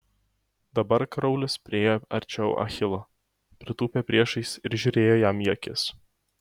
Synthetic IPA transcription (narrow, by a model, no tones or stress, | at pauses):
d̪̥ɐbɐɾkɾɒʊlʲɪspʲɾʲɪeːjoɐ̰ɾʲt͡ʃʲɛʊʔɐ̰xʲɪlˠo | pʲɾʲɪt̪uːpʲeːpʲɾʲiɛʃɐɪsɪɾʒʲʊɾʲeːjoːjæmjɛkʲɪs